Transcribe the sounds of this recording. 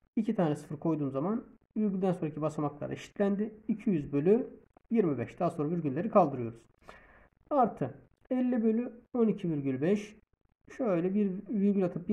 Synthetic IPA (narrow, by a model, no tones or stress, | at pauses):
icʰit̪ʰaːnɛsɯ̥fɯɾkʰo̞jd̪uːmzaman | vyɾɟynd̪ænsoɾacʰibasamaklˠa̰ɾd̪aʃi̥t̪ʰlʲænd̪ɪːcʰijyzbø̞lʲyjiɾmibɛʃd̪̥aɦːasoɾavyɾɟynlʲe̞ɾikʰalˠd̪ɯɾɯjo̞ɾuz̥ | aɾt̪ʰɯ | ɛlʲːibø̞lʲyonicʰiviɾɟylʲbɛʃ | ʃøjlʲɛbiɾviɾɡʲylʲat̪ʰɯp̚b